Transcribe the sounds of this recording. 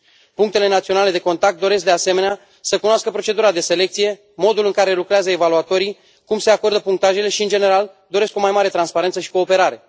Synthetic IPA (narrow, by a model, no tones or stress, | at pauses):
puŋkt̪e̞le̞nat̪sio̞nale̞d̪e̞ko̞nt̪akt̪̚d̪o̞ɾesk̚d̪ease̞me̞nea | səkunoaskəpɾo̞t͡ʃe̞d̪uɾad̪e̞se̞le̞k̚t̪sije̞ | mo̞d̪ulɨŋkaɾe̞lukɾeazəevaluat̪o̞ɾi | kumse̞ako̞rd̪əpuŋkt̪aʒe̞le̞ʃiɨnd͡ʒe̞ne̞ɾald̪o̞ɾesko̞majmaɾe̞t̪ɾanspaɾent̪səʃi̥ko̞ːpe̞ɾaɾe̞